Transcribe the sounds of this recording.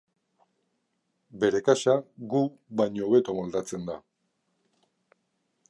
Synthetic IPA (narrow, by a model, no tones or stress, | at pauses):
be̞ɾe̞kaʃaɡu | βaɲoːβe̞t̪o̞mold̪at͡se̞nd̪a